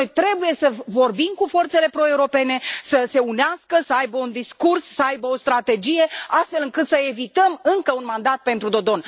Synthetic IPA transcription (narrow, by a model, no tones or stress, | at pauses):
ojt̪ɾe̞buje̞səvo̞rbimkufo̞rt̪se̞le̞pɾoe̞uɾo̞pe̞ne̞səse̞uneɪaskəsəajbəund̪iskursːəajbəo̞st̪ɾat̪e̞d͡ʒije̞ast̪fe̞lɨŋkɨt̪səe̞vit̪əmɨŋkəunmand̪at̪̚pe̞nt̪ɾud̪o̞d̪o̞n